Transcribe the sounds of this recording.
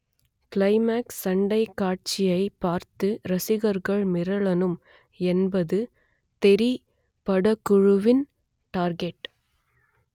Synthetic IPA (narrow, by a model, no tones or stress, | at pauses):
kɪlɐɪmaːksːɐɳɖɐɪkːaːʈ̚t͡ʃɪjɐɪpaːɾt̪ɯɾɐsɪɣɐɾɣɐɭmɪɾɐɭɐnɯm | ɛnbɐðɯ | t̪ɛɾi | pɐɽɐkːʊɻɯʋɪn | ʈaːɾɡɛʈ